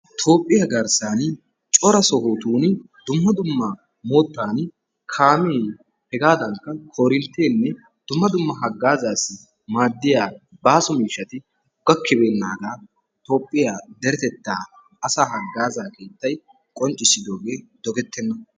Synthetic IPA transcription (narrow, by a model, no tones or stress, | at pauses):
t̪ʰo̞ːpʼːɪjaɡɐɾsaːn | t͡ʃʼɔɾɐsɔɦoːt̪uːn | d̪̥ʊmːɐd̪ʊmːɐ | moːt̪ːaːn | kʰaːmeː | hɛɡaːd̪ɐŋkːɐkʰoːɾɪnt̪ːeːnːɛ | d̪̥ʊmːɐd̪ʊmːɐɦɐɡːaːzaːsɪ | maːd̪ːɪjaːbaːsɔmiːʃːɐt̪ɪ | ɡ̥ɐkʰːɪbeːnːaːɡaː | t̪o̞ːpʼːɪjaːd̪ɛɾɛt̪ɛt̪ːaː | ɐsaːɦɐɡːaːzaːke̞ːt̪ːɐj | kʼɔnt͡ʃʼːɪsɪd̪o̞ːɡe̞ːd̪̥ɔɡɛt̪ːɛnːɐ